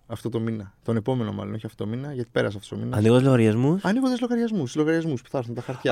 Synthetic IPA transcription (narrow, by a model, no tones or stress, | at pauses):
ɐft̪o̞t̪ominɐt̪o̞ne̞po̞me̞nomɐ̰lo̞no̞çiɐft̪ot̪o̞minɐʝɐt̪i̥pe̞ɾɐ̰seɐft̪ost̪o̞minɐɐniɣond̪eloɣɐɾʝɐzmusɐniɣod̪ezlo̞ɣɐɾʝɐzmuszloɣɐɾʝɐzmuspu̥θɐɾθunt̪ɐxɐɾt̪çɐ